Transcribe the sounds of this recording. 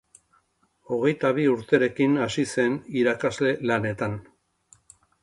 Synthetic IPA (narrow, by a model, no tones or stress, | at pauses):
o̞ɣe̞jt̪aβ̞iuɾt̪e̞ɾe̞kinasise̞niɾakazle̞lane̞t̪an